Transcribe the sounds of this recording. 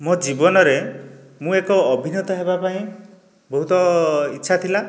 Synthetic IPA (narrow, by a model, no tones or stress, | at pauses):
mod͡ʒibɔnɔɾe | mũekɔːbʱinɔt̪ɔɦebapaĩ | bɔɦut̪ɔitːʃʰat̪ʰila